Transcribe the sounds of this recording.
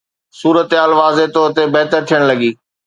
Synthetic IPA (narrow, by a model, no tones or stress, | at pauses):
suːɾət̪aːlʋaːzet̪oːɾt̪ebɛːt̪əɾt̪ʰijəɽ̃lɐɡiː